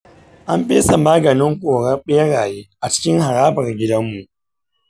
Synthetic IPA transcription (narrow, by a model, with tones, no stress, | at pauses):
ʔa˦mɸeː˦sa˨maː˦ɡɐ˨nɪ˦ŋkʷʼoː˨ɽɐ˦ɓe˦ɽaː˨jeː˦ʔa˨t͡ʃɪ̥˦kʲɪ˦ŋha˨ɽaː˦bɐ˨rɡʲɪ˦dɐ˦mːu˨ʔ